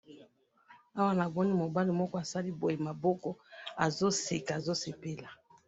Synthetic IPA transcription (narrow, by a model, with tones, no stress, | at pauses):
a˦wa˦na˨bɔ˦ni˦mo˨ba˦li˨mɔ˦kɔ˦a˨sa˦li˦bo˨je˨ma˨bɔ˦kɔ˦a˨zo˦se˨ka˨zo˦se˨pe˦la˨